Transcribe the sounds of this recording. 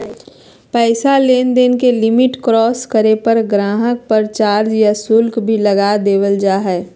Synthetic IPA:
pɛːsaleːnd̪eːnkelɪmɪʈkɾɔːskəɾepəɾɡɾãːɦək̚pəɾt͡ʃaːɾd͡ʒjasʊlkbʱilɐɡad̪eːwəld͡ʒaːɦɛː

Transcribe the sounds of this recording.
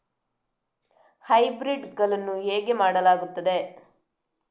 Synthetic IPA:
hɐjbɾiɖɡɐlɐnːuɦeːɡe̞maːɽɐlaːɡut̪ːɐd̪e̞

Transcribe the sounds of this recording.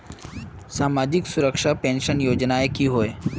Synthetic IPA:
samad͡ʑiksuɾəkʂapɛ̃nɕənjod͡ʑnaekiːɦoj

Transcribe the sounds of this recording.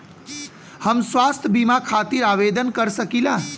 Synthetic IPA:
həmswast̪ʰəbimakʰat̪iɾaʋed̪ənkəɾsəkila

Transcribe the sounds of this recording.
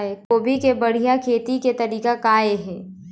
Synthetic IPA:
ekoːbʱikebɐɽ̤ijakʰeːt̪iket̪ɐɾiːkakaːeɦɛː

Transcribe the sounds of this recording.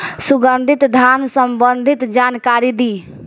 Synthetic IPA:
suɡənd̪ʱit̪d̪ʱansəmbənd̪ʱit̪d͡ʒankaɾid̪i

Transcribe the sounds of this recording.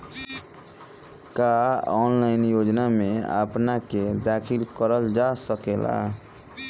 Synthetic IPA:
kaɔːnlaɪnjoːd͡ʒnamea̰pnaked̪akʰilkəɾəld͡ʒasəkela̰

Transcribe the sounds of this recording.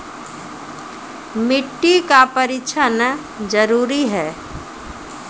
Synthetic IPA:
mɪʈːikapəɾɪʃʰanə | d͡ʒəɾuːɾiɦɛː

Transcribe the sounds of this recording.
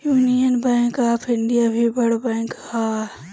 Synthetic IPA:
juːnijənbɛ̃ːŋkaːpʰɪɳɖijabʱibɐɽbɛ̃ːŋkha

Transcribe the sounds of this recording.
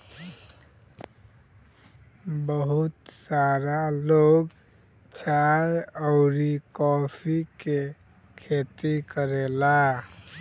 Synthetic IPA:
bəɦut̪saɾaloɡ | t͡ʃajəʊɾikɔpʰike | kʰet̪ikəɾela

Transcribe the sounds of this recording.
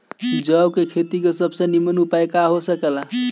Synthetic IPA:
d͡ʒəwkekʰet̪ikesəbsə̃nimənupajkaɦosəkela

